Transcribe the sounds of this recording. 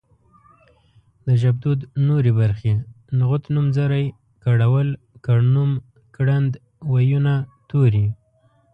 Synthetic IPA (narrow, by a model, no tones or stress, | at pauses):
d̪əʒab̚d̪ud̪noɾebaɾxe | nɣʊt̪numzaɾaj | kaɽawəl | kaɽnum | kɽand̪ | wajunat̪oɾi